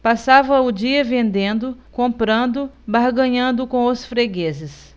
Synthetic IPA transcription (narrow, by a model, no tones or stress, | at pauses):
pasavɐʊd͡ʒiɐvẽnd̪ẽnd̪ʊkõmpɾɐ̃nd̪ʊ | baɾɡɐ̃ɲɐ̃nd̪ʊkõw̃ɐsfɾeɡezɪs